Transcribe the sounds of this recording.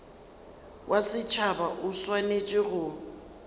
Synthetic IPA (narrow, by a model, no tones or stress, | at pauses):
wʔasɪt͡ʃʰabaʔʊswanet͡ʃʼɪɣʊ